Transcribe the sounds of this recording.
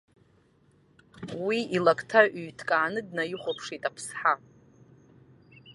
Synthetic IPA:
wiilakʼtʰaʔyɥtʰkʼaːnɨdnajɪχʷopʰʂitʼapʰsħa

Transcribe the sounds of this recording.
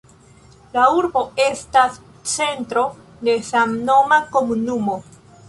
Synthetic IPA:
lauɾbo̞e̞stas | t͡se̞ntɾo̞ | de̞samno̞mako̞munumo̞

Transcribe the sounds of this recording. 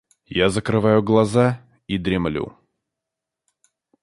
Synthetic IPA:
jazəkɾɨvajʊɡlˠɐza | id̪ɾʲɪmlʲṵ

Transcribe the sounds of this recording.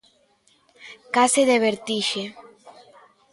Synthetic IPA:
kaseðeβeɾt̪iʃe

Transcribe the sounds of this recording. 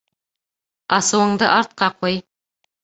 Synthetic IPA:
ɑsuwəɴd̪əʔɑɾt̪̚qɑqʰoj

